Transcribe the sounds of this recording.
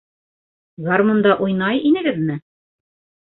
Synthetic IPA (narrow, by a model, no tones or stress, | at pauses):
ɡarmond̪ɑʔujnɑjinɘ̆ɡɘðmɘ